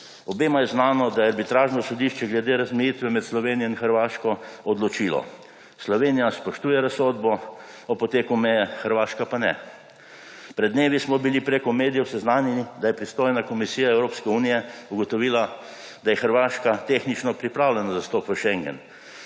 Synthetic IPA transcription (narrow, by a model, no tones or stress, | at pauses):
ɔbeːmajɛznaːnɔd̪ajɛaɾbit̪ɾaːʒnɔsɔd̪iʃt͡ʃɛɡlɛd̪eːɾazmɛjiːt̪ʋɛmɛt̪slɔʋeːnijɔinxəɾʋaːʃkɔɔd̪lɔt͡ʃiːlɔ̰ | slɔʋeːnijaspɔʃt̪uːjɛɾasod̪bɔ | ɔpɔt̪eːkumɛjɛxəɾʋaːʃkapanɛ̰ | pɾɛd̪d̪neːʋismɔbilipɾeːkɔmeːd̪ijɛwsɛznaːnjɛnid̪ajɛpɾist̪oːjnakɔmisiːjaɛwɾoːpskɛuːnijɛuɡɔt̪ɔʋiːla | d̪ajɛxəɾʋaːʃkat̪eːxnit͡ʃnɔpɾipɾaːwlɛnazast̪oːpʋəʃɛŋɡɛ̰n